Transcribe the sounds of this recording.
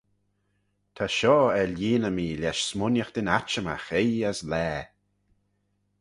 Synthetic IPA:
t̪ʰaʃɔːɛliːnəmiːlʲjɛʃsmʊnjəxd̪̥ɪnat͡ʃəma̰xejaslɛː

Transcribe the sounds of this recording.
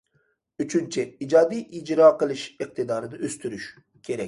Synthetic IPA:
yt͡ʃʰynt͡ʃʰɪid͡ʒɑːd̪ijʔid͡ʒɾɑːqəlˠɨʃɨq̚t̪ʰɨd̪ɑːɾɨnɨʔøst̪ʰyɾyʃ | kʲʰeɾɛ̰kʲ

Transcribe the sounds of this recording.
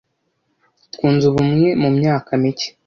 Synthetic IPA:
tkuːnzuβumŋemumɲaːkamice̥

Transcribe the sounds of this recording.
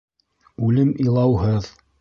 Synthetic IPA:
ʉlɘmilˠɑwɦɤð

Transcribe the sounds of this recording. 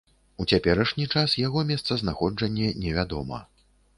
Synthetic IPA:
ut͡sʲapʲɛɾɐʂnʲit͡ʂasjaɣɔmʲɛst̪sɐznaxɔd͡ʐɐnʲːɛnʲɛvʲad̪ɔ̰mɐ̰

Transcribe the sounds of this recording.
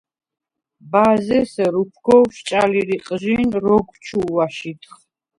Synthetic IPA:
bazɛsɛɾupʰɡɔwʃt͡ʃʼaliɾiqʼʒinɾɔɡt͡ʃʰuwaʃit̪ʰχ

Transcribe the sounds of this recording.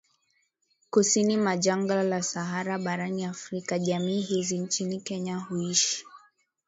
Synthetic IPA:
kusinimaʄaŋɡalasaɦaɾaɓaɾaniafɾikaʄamiːɦizint͡ʃinikɛɲahuiʃi̥

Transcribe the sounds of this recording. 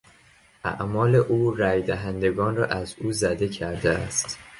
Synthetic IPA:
ʔæ̰ʔmɒːle̞ʔuːræjd̪æɦænd̪e̞ɡɒːnrɒːʔæzuːzæd̪e̞cʰæɾd̪eæ̰st̪

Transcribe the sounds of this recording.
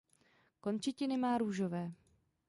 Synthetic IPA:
ko̞nt͡ʃɪcɪnɪmaːɾuːʒovɛː

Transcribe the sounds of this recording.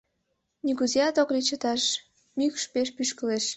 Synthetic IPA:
nʲikuziɑt̪oklʲit͡ɕə̆t̪ɑʃ | mykʃpeʃ̬pyʃkəleʃ

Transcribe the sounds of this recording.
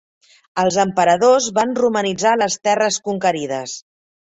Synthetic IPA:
əlˠzəmpəɾəðozβanrumənid͡zaləst̪ɛrəskuŋkəɾiðəs

